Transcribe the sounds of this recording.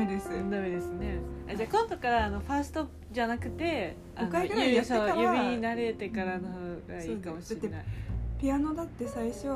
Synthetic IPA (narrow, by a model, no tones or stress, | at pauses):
ed̪esɨɯ̃nd̪amed̪e̞sɨne̞ad͡ʑakõŋt̪okaɾaːno̞ɸaːsɨ̥t̪opɯd͡ʑanakɯ̟t̪e̞ | anaosojɯbʲiɲnaɾe̞t̪e̞kaɾanohoɡaiːkamo̞ɕiɾeena̰ipʲiano̞d̪at̪ːe̞saiɕo